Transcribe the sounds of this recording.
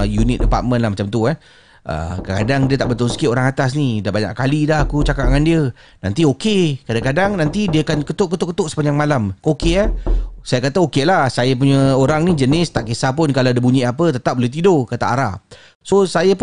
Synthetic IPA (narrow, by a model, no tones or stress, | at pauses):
junɪk̚dəpa̰t̪̚mə̃nlahmat͡ʃamt̪ua | ʔə̰kakadaŋdiət̪aʔbət̪ʊlsə̥kɪʔoɾaŋat̪as̬nidahbaɲa̰ʔkalidaɦakut͡ʃakaʔ̚aŋandiə | na̰nt̪iokekadaŋkadaŋnant̪idiəakankət̪ʊʔkət̪ʊʔkət̪ʊʔsə̥paɲd͡ʒaŋmalamkokeasajakat̪aokelahsajap̬uɲəoɾaŋnid͡ʒənɪst̪aʔkisapʊnkalawdibuɲĩapət̪ət̪ap̚boleht̪̬idokət̪a̰ʔaɾa | sosajap